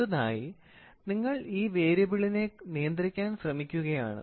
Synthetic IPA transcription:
uða̰ːji | niŋːɐɭiːʋeːɾɐbiɭine̞nijɐnd̪ɾikʲːaːnɕrɐmikʲːuɣɐja̰ːɳɨ̰

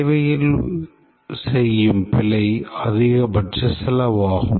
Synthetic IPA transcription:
ʋɐjɪl | sɛjːɯmpɪlɐɪɐðɪɣɐbɐʈrɯsɪlɐʋaːɣɯm

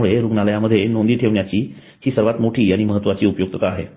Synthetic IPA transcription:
uɭeɾuɡnaləjaməd̪ʱːjenond̪iːʈʰeʋɳjat͡ɕiː | hiːsəɾʋat̪moʈʰiːaɽ̃iməɦət̪ːʋat͡ɕiːupəjoɡ̚t̪ət̪aaɦḛ

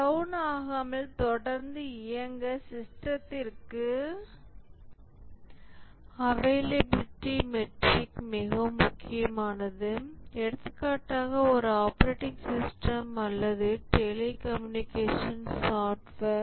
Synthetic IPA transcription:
ɾɐwnaːɣɐmɐlt̪ɔɽɐɾnd̪ɯɪjɐŋɡɐsɪsʈɾɐt̪ːɪrkɯ | ɐʋeːlebʈːimɛʈrɪkmɪɣɐmʊkːɪjɐmaːnɐðɯɛɽɯt̪ːɯkːaːʈːaːɣɐɔɾɯaːpɐɾeːʈːɪŋsɪsʈɐmɐlːɐðɯʈɛlekɐmjʊnɪkeːʂɐnsaːʈʋɐɾ

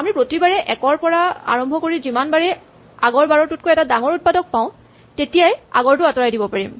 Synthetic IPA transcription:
amɹipɹotibaɹɛʔɛkɔɹpɔɹaa̰ɹɔmbʱɔkoɹizimanbaɹɛ | aɡɔɹbaɹɔtut̚kojɛtadaŋɔɹut̚padɔk̚paʊ̃ | tetijaja̰ɡɔɹtʊatɔɹajdibɔpaɹim

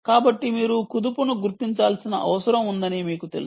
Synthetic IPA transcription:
kaːbɐʈːimiːɾukud̪upunuɡuɾt̪iɲt͡ʃaːlsinɐ̰ʔɐ̰ʋɐsɐɾɐmund̪ɐnimiːkut̪e̞lus

